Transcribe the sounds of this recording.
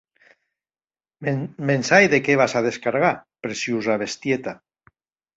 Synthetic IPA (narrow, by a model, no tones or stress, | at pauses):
mensajðekeβ̞asað̞eskaɾɣapɾesjuzaβ̞est̪jet̪a